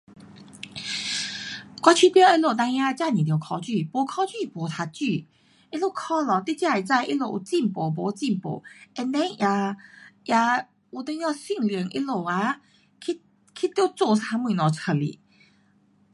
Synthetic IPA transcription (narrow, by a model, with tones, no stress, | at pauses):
kwa˧˥t͡ɕʰy˧˥pjɔ˥˦i˧lo˥˧˩t̪ã˧ŋja˧t͡ɕja˥˧nĩ˨t̪jɔ˨˩kʰɔ˧t͡ɕy˥˧˨pɔ˨˩kʰɔ˧˦t͡ɕy˥˧pɔ˨˩t̪ʰa˧t͡ɕy˥˧˨ | i˦lo˥˧˩kʰɔ˥˦lɔ˨t̪i˥t͡ɕja˥˧˨ɛ˨˩t͡sa˥˧˨ʔi˦lo˧˩˨ʔu˨˩t͡ɕi˥˧mpo˨˩p̬ɔ˨˧˦t͡ɕi˥˧˨mpo̰˨˩ɛ˧nt̪ɛ˧˦ja˧ja˧ | u˧˩t̪e˧ŋjɔ˥˧si˥˧˨ŋli˨˩˦ŋʔḭ˦˥lo˨˩a˧˦ | kʰi˧˥ | kʰi˧˥t̪jo˥˧˩t͡so˥˧sʰa˧mwĩ˧˨nɔ˨˩t͡sʰə˧˩lḭ˨˩